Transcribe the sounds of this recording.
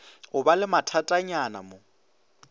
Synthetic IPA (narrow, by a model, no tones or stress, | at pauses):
ʊbalɪmatʰatʼaɲana̰mo